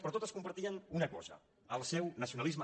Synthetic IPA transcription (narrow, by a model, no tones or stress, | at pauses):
pɾɔt̪ot̪əskumpəɾt̪iənunəkɔzə̰ | əlˠsɛwnəsiunəlizmə